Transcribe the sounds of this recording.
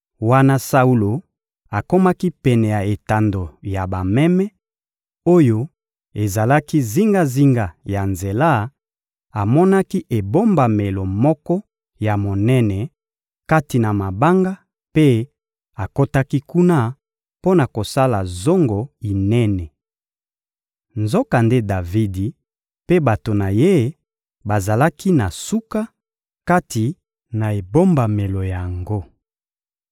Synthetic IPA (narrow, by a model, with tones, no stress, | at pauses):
wa˦na˦sa˦u˦lo˨ | a˨ko˦ma˦ki˦pɛ˨nɛ˨ja˨e˨ta˨ndo˨ja˨ba˨mɛ˦mɛ˦ | o˦jo˦ | e˨za˨la˦ki˦zi˦ŋɡa˦zi˦ŋɡa˨ja˨nze˨la˦ | a˨mɔ˦na˦ki˦ʔe˨bo˦mba˨me˨lo˨mɔ˦kɔ˦ | ja˨mo˨nɛ˦nɛ˨ | ka˦ti˨na˨ma˨ba˦ŋɡa˦ | pe˦ | a˨ko˦ta˦ki˦ku˦na˦ | po˦na˨ko˨sa˦la˨zo˦ŋɡo˨i˨nɛ˦nɛ˨ | nzo˦ka˨nde˦da˨vi˦di˨ | pe˦ba˨to˨na˨je˦ | ba˨za˨la˦ki˦na˨su˦ka˦ | ka˦ti˨ | na˨e˨bo˦mba˨me˨lo˨ja˨ŋɡo˦